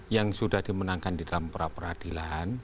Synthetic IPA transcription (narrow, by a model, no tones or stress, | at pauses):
jaŋsudahd̥imənaŋkandidalampəɾapərhad̥ilan